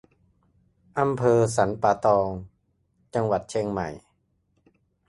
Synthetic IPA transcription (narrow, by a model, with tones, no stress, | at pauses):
ʔa˧mpʰɤː˧sa˩˦npaː˧t̪ɔː˧ŋ | t͡ɕa˧ŋwa˨˩t̪̚t͡ɕʰe˧ŋma̰˨˩j